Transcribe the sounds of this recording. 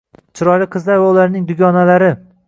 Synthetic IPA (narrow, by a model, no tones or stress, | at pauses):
t͡ʃʰɪɾɒjlɪqʰɨzlaɾwalaɾnɪŋd̪ʊɡʲɒnalaɾɪ